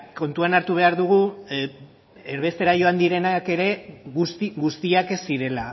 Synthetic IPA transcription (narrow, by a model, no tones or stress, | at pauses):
ko̞nt̪uanaɾt̪uβ̞e̞aɾðuɣ̞u | eɾβe̞st̪e̞ɾaʝo̞and̪iɾe̞nake̞ɾe̞ust̪iɣust̪iake̞siɾe̞la